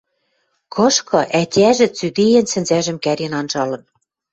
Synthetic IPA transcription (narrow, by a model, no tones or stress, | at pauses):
kʰɤ̆ʃkɤ̆ʔætʲæʒɘ̆t͡syd̪ejĕnsɘ̆nzæʒɘ̆mkæɾʲenɑnʒɑlɤ̆n